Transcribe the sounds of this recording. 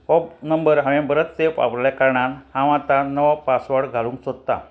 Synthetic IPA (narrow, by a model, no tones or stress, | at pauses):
ɔbnəmbəɾɦãʋẽbəɾət̪sepa̰pljakaɾɳanhãʋãt̪anəʋapasʋəɽɡʱalũːŋksod̪̚t̪a̰